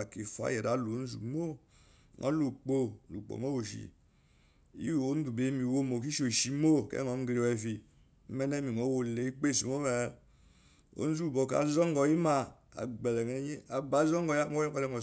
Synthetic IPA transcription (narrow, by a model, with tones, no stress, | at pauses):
a˨ki˨fa̰˦jɛ˨ɾa˨˦lo˨˦n̩˦zṵ˨mo˦ | ŋɔ̰˦lu˨k͡po˦lṵ˨k͡po̰˨ŋo˦wo˨ʃḭ˨ | ḭ˦wo˨˦n˦du˨be˨˦mi˨wo˦˨mo˨k̬i˦ʃo˨ʃi˨mo˦˨kɛ̰˦ŋɔ˨˦m˦ɡɾe˨wɛ˨fi˨ | m̩˦mɛ˦nɛ˦mi˨ŋo˨˦wo˨le˨i˦k͡pe˦˨si˨mo˦mɛ˨˦ | o̰˨˦n̩˦zu˦˨bo˨ka̰˨zɔ˦ŋ˦ɡɔ˨ji˦ma˧ | a̰˨ɡ͡bɛ˨lɛ˨ŋ˨˦ɲi˦a˨ba˨˦zɔ˦ŋɡɔ˨ja˦mo˦kɔ˦lɛ˧˨ŋɔ˨